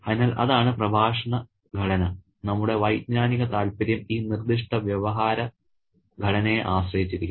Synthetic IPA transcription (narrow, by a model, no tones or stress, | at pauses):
ɐðinaːlʔɐ̰ðaːɳɨprɐbʱaːʂɐɳɐ | ɡʱɐɽɐnɐ | nɐmːuɽe̞ʋɐjd̪ɲaːniɣɐt̪aːlpɐɾjɐmiːnird̪iʂʈɐʋjɐʋɐɦaːɾɐ | ɡʱɐɽɐnejʔaːɕrɐjit͡ɕːiɾikʲː